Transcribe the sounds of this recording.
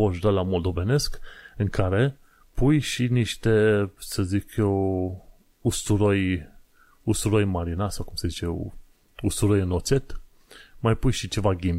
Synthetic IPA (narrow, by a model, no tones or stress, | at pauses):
oʒud̪alamo̞ld̪o̞ve̞ne̞skɨŋkʰaɾe̞ | pujʃiniʃt̪e̞səzikʰjew | ust̪uɾo̞j | ust̪uɾojmaɾinasawkumsəzit͡ʃejew | ust̪uɾojɨno̞t̪se̞t̪ | majpujʃit͡ʃe̞vaɡʲimbʲ